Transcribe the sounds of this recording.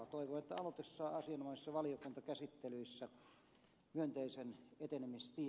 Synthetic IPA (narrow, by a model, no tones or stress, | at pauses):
ɑt̪oˑiʋoet̪ːæ̰ɑlot̪esːɑːɑsiɑnomɑˑisisːɑʋɑlijokunt̪ɑkæsit̪ːelyisːæ | myønt̪eisenet̪enemist̪i